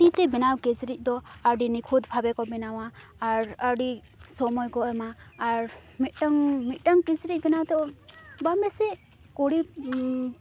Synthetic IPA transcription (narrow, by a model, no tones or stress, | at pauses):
t̪it̪ɛbɛnawkɛt͡ʃɾic̪̚ˀd̪ɔaɖinikʰud̪pʰabɛkɔbɛnawaːɾaɖi | sɔmɔjkɔɛmaːɾmit̪̚ˀʈaŋmit̪̚ˀʈaŋkɛt͡ʃɾic̚bɛnawt̪ɛɔbamɛsɛ | kɔɽip